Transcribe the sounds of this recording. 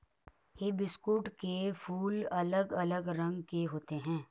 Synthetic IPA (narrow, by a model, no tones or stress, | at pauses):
jebɪskuːʈkefʰuːlɐləɡɐləɡɾɐ̃ŋɡkeɦoːt̪eɦɛ̃ː